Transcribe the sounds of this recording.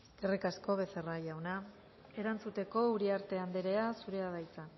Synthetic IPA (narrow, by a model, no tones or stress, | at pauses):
kerikasko̞βe̞serajawna | e̞ɾant͡sut̪e̞ko̞uɾiaɾt̪e̞and̪eɾe̞asuɾe̞aðajt͡san